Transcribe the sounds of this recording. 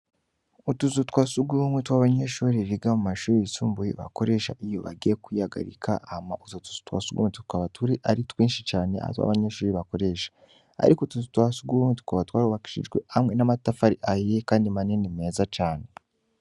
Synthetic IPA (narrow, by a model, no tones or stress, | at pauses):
utuzutwaːsuɡuumwetwaβaɲeʃuːɾiβiɡamumaʃuːɾiisuːmbujḭβa̰ko̞ɾe̞ʃa̰ʔijo̞̰βa̰ɡijekwihaɡa̰ɾḭkʰa̰amaʔuzotu̥zu̥twa̰ːsuɡṵmetu̥twaβatʰuɾiʔaɾitwiːnʃit͡ʃaːne̞a̰twa̰βaɲeʃuːɾiβako̞ɾeʃḁ | a̰ɾikotuzutwasuɡumetu̥tkaβatwaːɾuβaki̥ʃḭd͡ʒɡwḛamŋe̞namatafaɾiʔajekaːndimanenime̞ːzat͡ʃaːne̞